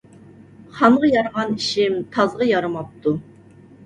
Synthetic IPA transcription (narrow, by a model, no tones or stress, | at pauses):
χɑɴʁɑjɑɾʁɑniʃɪmt̪ʰɑzʁɑjɑɾɨmɑp̚t̪ʰu